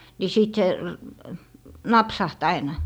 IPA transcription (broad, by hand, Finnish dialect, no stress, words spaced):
si siˑt se nɑpsɑht ɑinɑ